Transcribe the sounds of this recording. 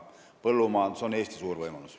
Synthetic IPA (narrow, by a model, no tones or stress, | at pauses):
pɤlːumɑːseoneːst̪i̥suːrvɤjmɑlus